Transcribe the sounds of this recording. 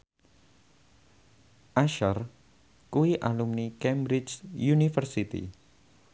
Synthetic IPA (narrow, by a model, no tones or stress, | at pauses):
ʔaʃar | kuiʔalumnikɛmbɾit͡ʃjunifərsit̪ḭ